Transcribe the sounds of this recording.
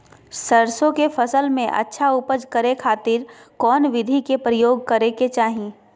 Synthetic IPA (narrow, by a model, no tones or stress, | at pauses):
səɾsõkefɐsəlmẽʔɐ̰tːʃʰaʊpəd͡ʒkəɾekʰaːt̪ɪɾkɔːnʋɪd̪ʱikepɾəjoːɡ̚kɐɾeket͡ʃaːɦiː